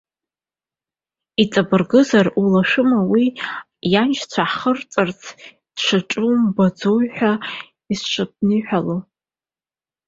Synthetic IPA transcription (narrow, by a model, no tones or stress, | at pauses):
it͡sʼabɨrɡɨzarulaʃɨmawi | jant͡ʃt͡sʷʰaħχərt͡sʼart͡sʰ | d̥ʂʷaʈ͡ʂʼumbad͡zojħʷᶣa | isʂʷɨp̚nɨħʷᶣalo